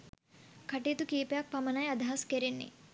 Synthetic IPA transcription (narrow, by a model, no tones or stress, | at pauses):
kʰɐʈit̪ukiːpejak̚pɐmɐnɐjɐd̪ɐɦɐskeɾenːḭ